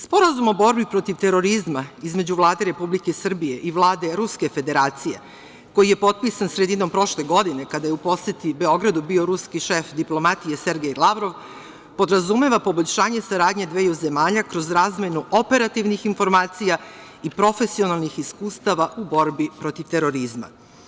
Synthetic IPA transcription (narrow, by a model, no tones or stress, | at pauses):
spo̞ɾazumo̞bo̞ɾbipɾo̞t̪iʋt̪e̞ɾo̞ɾizmaizme̞d͡ʑuvlˠaːd̪e̞ɾe̞publikesr̩bije̞ʔiʋlˠaːd̪e̞ɾuske̞fe̞d̪e̞ɾaːt̪sije̞ | ko̞jije̞po̞t̪̚pisansɾe̞d̪ino̞mpɾo̞ʃle̞ɡo̞d̪ine̞kad̪ajeupo̞sjet̪ibe̞o̞ɡɾad̪ubio̞ɾuskiʃefd̪iplˠo̞mat̪ije̞seɾɡejilˠaʋɾo̞ʋ | po̞d̪ɾazume̞ʋapo̞bo̞ʎʲʃaːɲe̞saɾaːd̪ɲed̪ʋeːjuze̞maːʎakɾo̞zɾaːzmenuʔo̞pe̞ɾat̪iʋnixinfo̞ɾmaːt̪sija | ipɾo̞fe̞sio̞nalˠnixiskuːst̪aʋaʔubo̞ɾbipɾo̞t̪iʋt̪eɾo̞ɾizma̰